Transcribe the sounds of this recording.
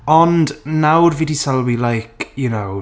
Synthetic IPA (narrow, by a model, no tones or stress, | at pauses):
ɔndnawrvidisalˠwilajkʰjunow